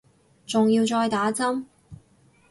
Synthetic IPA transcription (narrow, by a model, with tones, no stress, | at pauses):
t͡sʊ˨ŋjiː˧wt͡ʃɔː˧jt̪aː˨˥t͡sɐ˥m